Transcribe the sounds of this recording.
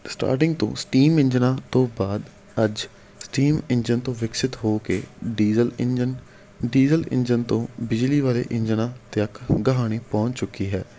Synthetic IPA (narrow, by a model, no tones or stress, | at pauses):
sʈa̰ːɾʈ̬ɪŋɡ̚t̪õ̰ːsʈiːmɪ̃ɲd͡ʒnaːt̪õːbaːd̪ | əd͡ʒ | sʈiːmɪɲd͡ʒənt̪õːʋɪksɪt̪ɦoːkeːɖiːzəlɪd͡ʒən | ɖiːzəlɪ̰nd͡ʒənt̪õːbɪd͡ʒliːʋaːɾḛːʔɪɲd͡ʒnaːt̪ɪəkɡəɦaːɽ̃iːpɔ̃ːt͡ʃt͡ʃʊkːiːɦɛː